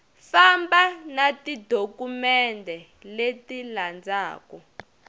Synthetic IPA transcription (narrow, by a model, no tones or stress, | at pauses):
fambanatidʱokumɛndʱɛ | letiland͡zaːkɔ